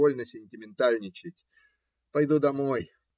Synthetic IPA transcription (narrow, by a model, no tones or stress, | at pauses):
olʲnəsʲɪnʲtʲɪmʲɪnt̪alʲnʲɪt͡ɕɪtʲ | pɐjd̪ud̪ɐmo̞j